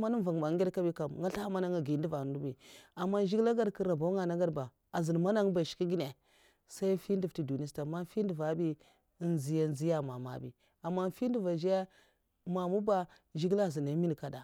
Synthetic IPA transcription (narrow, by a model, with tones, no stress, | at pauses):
ma˦nu˦n˦va˨ŋ˨ba˨˦ɡʲe˦dka˦bi˦ka˨m˨ŋɡa˦ɬa˦ma˦na˦ŋa˨ɡi˨n˦di˦va˨˦du˦bi˨a˨mːa˦ʒi˦ɡla˦ɡa˦dkə˦ɾa˨ba˨˦ŋa˨na˦ɡa˦ɾba˨ | a˨zi˨n˨ma˦na˦ŋ˦ba˨ʃi̥˨˦i˦ɡi˦ne˨ | sa˦i˦fi˦n˦di˨fti˨du˨ni˦sta˨ma˦fi˦n˦du˨va˨˦bi˦ | nzi˨ja˦˨n˦zi˦ja˦˨ma˨ma̰˨bḭ˨ | a˨mːa˦n˦fi˦n˦du˦va˨ʒja˦ | ma˨mu˦ba˦ | ʒi˦ɡla˦˨zi˨na˨˦mi˦n˨ka˨da˨